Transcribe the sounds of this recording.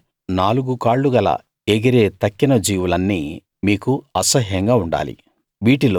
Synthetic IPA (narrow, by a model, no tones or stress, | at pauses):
naːluɡukaːɭːuɡɐlɐ̰ | eɡiɾeːt̪ɐkːinɐd͡ʒiːwulɐnːiː | miːkuɐsɐɦjɐŋɡaːuɳɖa̰ːlḭ | ʋiːʈilo